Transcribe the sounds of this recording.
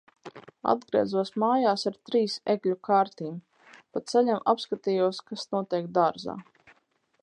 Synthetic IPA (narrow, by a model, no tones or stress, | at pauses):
a̰d̪ɡɾḭɛzuɔsmaːjaːsaɾt̪ɾiːseɡlʲukaːɾt̪iːm | pat̪sɛʎʲamʔa̰pskat̪ijuɔskasnuɔt̪iɛk̚d̪aɾza̰ː